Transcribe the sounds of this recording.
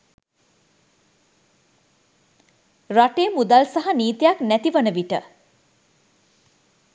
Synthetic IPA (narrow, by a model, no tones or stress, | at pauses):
ɾɔʈeːmud̪alsaɦɐniːt̪jaknɛt̪iʋənəbiʈə̰